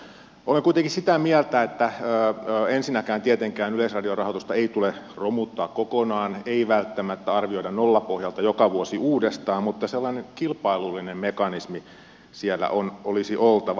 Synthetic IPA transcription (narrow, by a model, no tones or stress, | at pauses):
ʔoleŋkuit̪eŋkisit̪æmiælt̪æet̪ːæøːensinækæːnt̪iet̪eŋkæːnylesrɑdiorɑhot̪ust̪ɑeit̪uleromut̪ːɑːkkokonɑːneiʋælt̪ːæmæt̪ːæɑrʋioiɾɑnnolːɑpohjɑlt̪ɑjokɑʋuosiuːdest̪ɑːmmut̪ːɑselːɑneŋkilpɑilulːinemmekɑnismi | siælːæ̰ʔonʔolisiʔolt̪ɑʋɑ